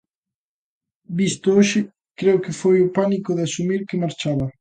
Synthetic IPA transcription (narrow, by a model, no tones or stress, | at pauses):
bist̪ooʃɪ | kɾeʊkɪfojʊpanikʊðɪasumiɾkɪmaɾt͡ʃaβɐ